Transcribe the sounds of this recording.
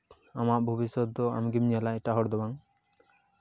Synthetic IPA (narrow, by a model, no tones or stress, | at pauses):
amaʔbʱubisɔt̪̚ːɔa̰mɡimɲalaɛʈaɦɔɾd̪ɔbaŋ